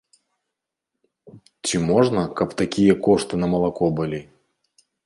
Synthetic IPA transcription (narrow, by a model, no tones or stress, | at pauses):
t͡sʲimɔʐnɐkɐpt̪akʲijɐkɔʂt̪ɨnɐmɐlˠakɔbɨlʲi